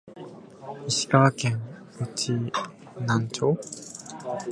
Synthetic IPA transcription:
iɕi̥kakẽŋ | ot͡ɕi | nãɲt͡ɕo

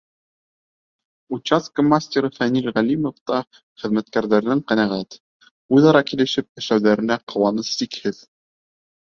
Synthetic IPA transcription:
ut͡ɕːaskəmasʲtʲeɾɤfænilʁælʲimŏft̪ɑ | χɘ̆ðmæt̪̚kæɾðæɾnɘɴqænæʁæt̪ | ujðɑɾɑkilɘ̆ʃɘp̚ɘ̆ʃlæwðæɾɘ̆næqɤ̆wɑnɤssikhɘð

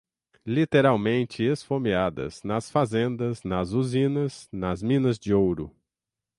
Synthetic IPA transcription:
lit̪eɾawmẽnt͡ʃɪesfomiad̪ɐ̰z̥nɐsfazẽnd̪ɐznɐzuzĩnɐznɐzmĩnɐzd͡ʒɪowɾʊ

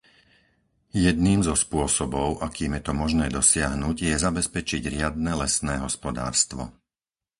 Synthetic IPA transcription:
jɛd̪niːmzɔspʊɔsɔbɔʊʔakiːmjɛt̪ɔmɔʒnɛːd̪ɔsɪaɦnuɟjɛzabɛspɛt͡ʃiɟɾɪad̪̚nɛlɛsnɛːɦɔspɔd̪a̰ːɾst̪ʋɔ̰

